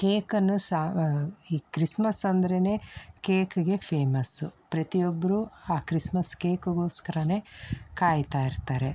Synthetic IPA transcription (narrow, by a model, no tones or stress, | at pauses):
keːkɐnːusaiːkɾismɐsɐnd̪ɐɾene̞ːkeːkuɡe̞pʰeːmɐsṵpɾɐt̪ijobːɐɾuaːkɾismɐskeːkuɡoːskɐɾɐne̞ːkaːjt̪aːiɾt̪aːɾe̞